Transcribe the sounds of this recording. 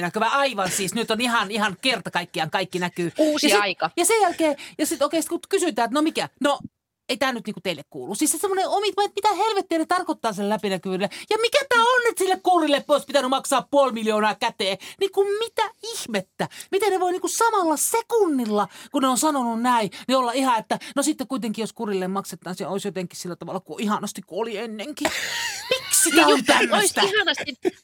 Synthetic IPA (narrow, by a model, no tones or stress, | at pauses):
nækyʋæɑiʋɑnsiːsnyt̪onihɑnihɑnkert̪ɑkɑikːiɑŋkɑikːinækyːuːsjɑisiɑikɑjɑsejælkeːjɑsit̪oˑikeisit̪kut̪kysyt̪æːet̪nomikæno | eit̪æːnyt̪niːŋkut̪eilːˑekkṵːlːussiːssesemːoneomit̪ʋɑet̪mit̪æhelʋet̪ːienet̪ɑrkot̪ːɑːsilːelæpinækyʋylːejɑmikæt̪æːonnyt̪silːekkuːrilːepoispit̪ænymɑksɑːppuolmiljoːnɑːkæt̪eːnikummit̪æihmet̪ːæmit̪enneʋoiniːŋkusɑmɑlːɑsekunːilːɑkuneonsɑnonunnæiniolːɑihɑet̪ːænosit̪ːekkuit̪eŋkiːjoskurilːemmɑkset̪ːˑɑːnsioˑisjot̪eŋkːˑissilːæt̪ɑʋɑ̰lːˑɑkuʔihɑnɑst̪ikkuolienːeŋkipiksinæont̪æmːøoist̪æihɑnɑst̪i